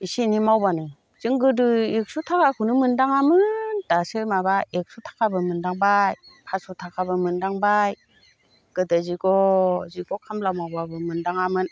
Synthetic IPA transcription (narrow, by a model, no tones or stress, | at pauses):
isinimawbanɯ | z̥ɯŋɡɯdɯik̚sutʰakʰakʰunɯmɯndaŋamɯnd̥asɯmabaik̚sutʰḁkʰabɯmɯndaŋbajpʰasutʰakʰabɯmɯndaŋbaj | ɡ̥ɯdaziɡɔziɡɔkʰamlawmawbabɯmɯndaŋamɯn